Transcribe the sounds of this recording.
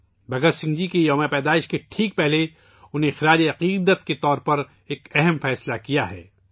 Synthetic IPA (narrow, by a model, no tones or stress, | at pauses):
bɐɡəɾsɪ̃ŋɡd͡ʒikejɔːmepɛːd̪aːɪʃkeʈʰiːk̚pɛɦle | ʊnɦẽxɾaːd͡ʒeɐqiːd̪ət̪ket̪ɔːɾpɐɾ | eːkɛɦɛmfɛːslakijaɦɛ̰ː